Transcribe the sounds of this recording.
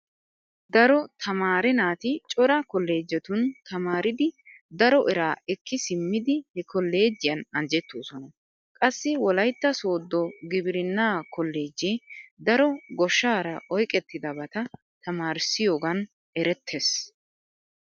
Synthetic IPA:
d̪ɐɾɔt̪ʰɐmaːɾɛnaːt̪ɪt͡ʃʼɔɾɐkɔlːe̞ːd͡ʒːɛt̪ʊnt̪ɐmaːɾɪd̪ɪ | d̪ɐɾɔʔɛɾaːɛkːɪsɪmːɪd̪ɪhɛkʰɔlːe̞ːd͡ʒːɪjɐnɐnd͡ʒɛt̪ːoːsɔnɐ | kʼɐsːɪwɔlɐjt̪ːɐso̞ːd̪ːɔɡɪbɪɾɪnːaːkɔlːe̞ːd͡ʒːeːd̪ɐɾɔɡɔʃːaːɾɐʔɔjkʼɛt̪ːɪd̪ɐbɐt̪ɐ | t̪ɐmaːɾsɪjo̞ːɡɐn | ɛɾɛt̪ʰːes

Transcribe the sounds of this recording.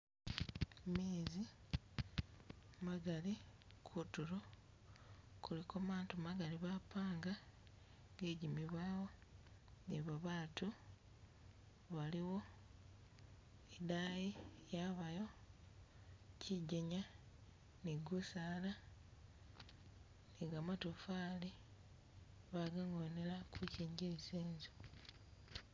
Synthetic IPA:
meːzi | maɡali | kʰutuɾo | kulikomaːntumaɡaliβapaːŋɡa | ŋɡeɟimiβwaːwo̞ | niβaβaːtu | βaliwo̞ | edajijaβajo̞ | ciɟeɲa | niɡusaːla | neɡamatofaːli | βaɡaŋɡonelakuciːɲɟiɾiseːɲzo̥

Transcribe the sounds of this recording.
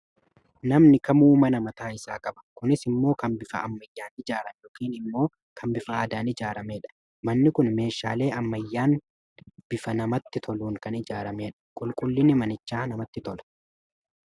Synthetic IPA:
nɐmnɪkɐmuːmɐnɐmɐt̪aːɪsaːkʼɐbɐ̥kʊnɪsɪmːo̞ːkɐnbɪfɐɐmːɐjːaːnɪd͡ʒaːɾɐnjoɔːkiːnɪmːo̞ː | kʰɐmbɪfɐaːd̪aːnɪd͡ʒaːɾɐmeːᶑɐ̥ | mɐnːɪkʊnme̞ːʃːaːle̞ːɐmːɐjːaːn | b̥ɪfɐnɐmɐt̪ːɪt̪ʰɔluːŋkɐnɪd͡ʒaːɾɐme̞ːᶑɐ̥kʼʊlkʼʊlːɪnɪmɐnɪt͡ʃːaːnɐmɐt̪ːɪt̪ɔlɐ̥

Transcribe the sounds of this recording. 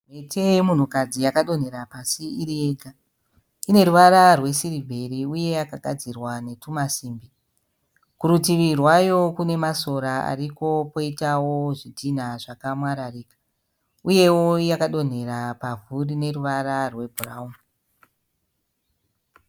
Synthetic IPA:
metemun̤ukad͡zijakaɗo̞n̤e̞ɾapasiiɾieɡʱa | ine̞ɾuʋaɾarwe̞siɾibʱe̞riuje̞jakaɡʱad͡zirwane̞tumasiːmbi | kuɾutiʋirwajo̞kune̞maso̞ɾaa̰riko̞po̞itawo̞ʐitʰinaʐakamwaɾariːkḁ | uje̞wo̞jakaɗo̞n̤e̞ɾapavurine̞ɾuʋararwe̞bʱuraumu

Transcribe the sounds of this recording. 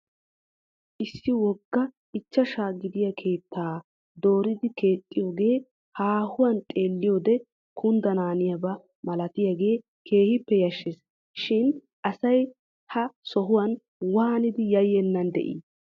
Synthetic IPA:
ʔɪsːɪwɔɡːɐ | ɪt͡ʃːɐʃaːɡɪd̪ɪjɐkʰe̞ːt̪ʰːaː | d̪o̞ːɾɪd̪ɪke̞ːt̪ʼːɪjoːɡe̞ː | haːhʊwɐnt̪ʼe̞ːlːɪjoːd̪ɛ | kʊnd̪ɐnaːnɪjɐbɐ | mɐlɐt̪ɪjɐɡe̞ː | kʰe̞ːhɪpːɛjɐʃːɪs | ʃɪn | ʔɐsɐj | hɐsɔɦʊwɐn | waːnɪd̪ɪjɐjːɛnːɐnd̪ɛ̰ʔḭː

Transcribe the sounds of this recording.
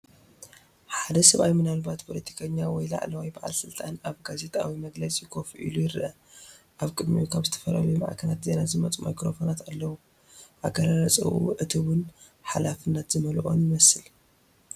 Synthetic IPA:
ħad̪ɐsɐβʔajmɨnalbat̪pʰolɐt̪ʰi̥kʰɐɲːawɔjla̰ʕlɐwajbaʕa̰lsɨlt̪ʼanaβɡaze̞t̪ʼa̰wimɐɡlɐt͡sʼikʰofʔḭlujɪɾɨʔɐ | ʔaβkʼɨd̪mijukʰaβzɨt̪ʰɐ̥fɐɾɐ̰βujma̰ʕkʰɐlat̪ze̞nazɨmɐt͡sʼmʔa̰jkɾo̞fonat̪alːɐwu | ʔaɡɐɾaɾɐt͡sʼɐ̰ʔṵʔɨt̪ʰɨwʊn | ħalafɨnːɐt̪zɨmɐlʔo̞̰njɪmɐsɨl

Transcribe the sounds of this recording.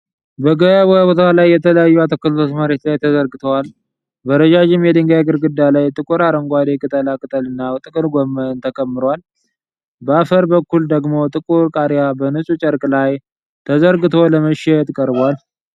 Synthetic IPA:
bəɡəβobot̪ʰalajːɛt̪ʰələjajːuat̪ʰokːəllot̪məɾe̞t̪lajt̪ʰəzəɾɡɨt̪ʰəwal | bəɾəd͡ʒad͡ʒɪmjɛd̪ɨŋɡajɡɨɾɡɨd̪ːalajt̪ʼɨkʼuɾaɾəŋɡʷad̪ekʼɨt̪ʼəlakʼɨt̪ʼəlɨnːawt̪ʼɨkʼɨɾɡʷomːənt̪ʰəkʼəmːɨɾowal | bəafəɾbəkːuld̪əɡmo̞t̪ʼɨkʼuɾkʼaɾjabənɨsʼut͡ʃʼəɾkʼlaj | t̪ʰəzəɾɡɨt̪ʰo̞ləməʃɛt̪kʼəɾbwal

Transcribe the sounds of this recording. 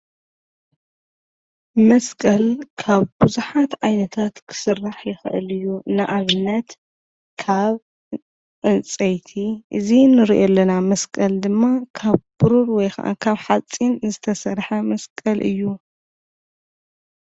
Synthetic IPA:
mɐskʼɐlkʰaβbɨzuħat̪ʔajnɐt̪ʰat̪kʰɨ̥sɨrːaħjɪxɨ̰ʔɨ̰lɨjːunɨʔaβɨnːɐt̪ | kʰaβ | ʔɨnt͡sʼɐjt̪ʰiʔɨzinɨɾiʔolːɐnamɐskʼɐld̪ɨmːakʰaβb̥ɨɾuɾwɔjxɐ̰ʔa̰kʰaβħat͡sʼinzɨt̪ʰɐsɐɾħɐmɐskʼɐlʔɨ̰jːu

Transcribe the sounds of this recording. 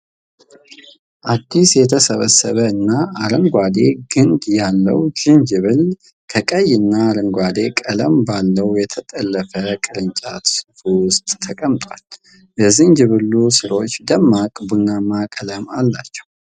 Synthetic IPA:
ʔad̪ːisjɛt̪ʰəsəβəsːəβəɨnːaaɾəŋɡʷad̪e̞ɡɨnd̪jalːə̰wd͡ʒɨnd͡ʒɨβɨl | kʰəkʼəjɨnːaːɾəŋɡʷad̪e̞kʼələmbalːəwjɛt̪ʰət̪ʼəlːəfəkʼɨɾɨnt͡ʃʼat̪sɨfuwʊst̪ʼt̪ʰːəkʼəmt̪ʼwal | bəzɨnd͡ʒɨβɨlːusɨɾo̞t͡ʃːd̪əmːakʼbunamakʼələmalːat͡ʃːɛ̥w

